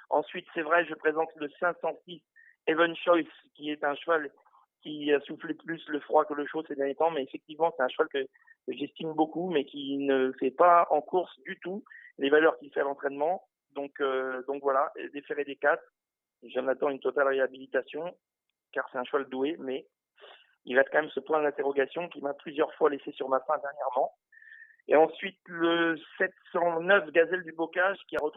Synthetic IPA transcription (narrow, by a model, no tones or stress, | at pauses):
ɑ̰̃sɥit̪sɛvʁɛʒəpχezɑ̃t̪ləsɛ̃sɑ̃sis | evənʃɔjs | kʲiɛt̪ɛ̃ʃəval | kʲiasufleplysləfχwakələʃosed̪ɛʁnjet̪ɑ̃mɛːfɛk̚t̪ivmɑ̃sɛt̪ɛ̃ʃəvalkə | ʒɛst̪imbokumɛkʲinəfɛpaɑ̃kuʁsd̪yt̪ulevalœʁkʲilfɛalɑ̃t̪χɛnmɑ̃ | d̪ɔ̃kød̪ɔ̃kvwalaʔd̪efeʁed̪ekat̪ | ʒənat̪ɑ̃ynt̪ɔt̪alʁeabilit̪asjɔ̃ | kaʁsɛt̪ɛ̃ʃwald̪uemɛ | ilaɛt̪̚kɑ̃mɛmsəpwɛ̃d̪ɛ̃t̪eʁɔɡasjɔ̃kʲimaplyzjœʁfwalesesyʁmafɛ̃d̪ɛʁnjɛʁmɑ̃ | ḛɑ̃sɥit̪ləsɛt̪sɑ̃nœfɡazɛld̪ybɔkaʒkʲiaʁət̪